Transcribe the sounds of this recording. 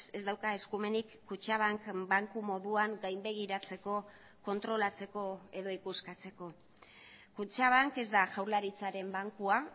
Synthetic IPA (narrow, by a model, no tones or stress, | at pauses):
e̞zd̪awkae̞skume̞nikːut͡ʃaβ̞aŋkbaŋkumo̞ðuaŋɡajmbe̞ɣ̞iɾat͡se̞ko̞ | ko̞nt̪ɾo̞lat͡se̞ko̞e̞ðo̞ikuskat͡se̞ko̞ | kut͡ʃaβ̞aŋke̞zd̪aʝawɾlaɾit͡saɾe̞mbaŋkua